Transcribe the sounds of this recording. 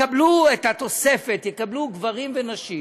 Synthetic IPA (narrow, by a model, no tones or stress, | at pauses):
abluethat̪o̞se̞fe̞t̪jekabluɡvaʁimvenaʃi